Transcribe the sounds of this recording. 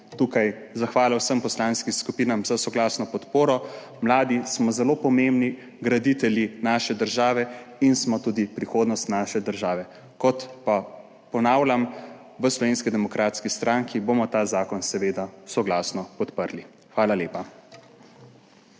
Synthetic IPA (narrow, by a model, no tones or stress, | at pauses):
t̪uːkaj | zaxʋaːlawsəmpɔslaːnskimskupiːnamzasɔɡlaːsnɔpɔt̪poːɾɔ | mlaːd̪ismɔzɛloːpɔmembni | ɡɾad̪it̪ɛljinaːʃɛd̪əɾʒaːʋɛinsmɔt̪uːd̪ipɾixoːd̪nɔst̪naːʃɛd̪əɾʒaːʋɛ | kɔt̪pa | pɔnaːwlʲam | ʋəslɔʋeːnskid̪ɛmɔkɾaːt̪skist̪ɾaŋkʰibomɔt̪aːzaːkɔnsɛʋeːd̪asɔɡlaːsnɔpɔt̪pəɾli | xʋaːlalʲeːpa